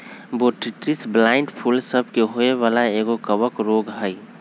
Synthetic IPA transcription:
boʈiʈɾisblaːɪɳɖpʰulsəbʱkeɦoebaːlaeːɡokəbəkɾoɡɦəj

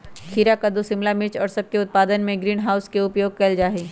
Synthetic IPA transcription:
kʰiːɾakɐd̪usɪmlamɪɾt͡ʃɔːɾsɐb̚keʊt̪̚paːd̪ənmẽɡɾiːnɦaːʊskeʊpjoːɡ̚kɐld͡ʒaːɦiː

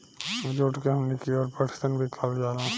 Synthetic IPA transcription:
d͡ʒoːʈkeɦɐmnekiɔːɾpaːʈʰɪ̥st̪anbikʰaːld͡ʒaːɾã

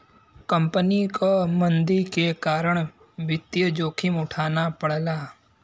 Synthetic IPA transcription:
kə̃mpənikomə̃nd̪ikekaːɾəɽ̃ | ʋɪt̪jəd͡ʒoːkʰɪmʊʈʰaːnapəɽlaː

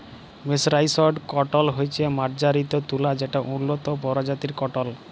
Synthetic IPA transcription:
misɾajsɔɖkɔʈolɦojt͡ʃʰemaʈd͡ʒaɾit̪ot̪ulad͡ʑeʈaʔulːot̪opɔɾod͡ʒat̪iɾkɔʈol

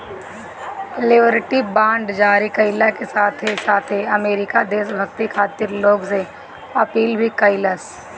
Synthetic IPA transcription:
lɪbɾʈibãːɳɖd͡ʒaːɾikɐɪlakesaːt̪ʰesaːt̪ʰeɐmeːɾɪkad̪eːsbʱək̚t̪ikʰaːt̪ɪɾloːɡse | ɐpiːlbʱikɐɪləs

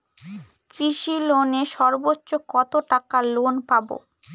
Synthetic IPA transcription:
kɾiʃiloneʃɔɾbotːɕokɔt̪oʈakalonpabo̰

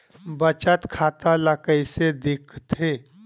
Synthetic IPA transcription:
bət͡ʃət̪kʰaːt̪aləkəised̪ɪkʰt̪ʰeː

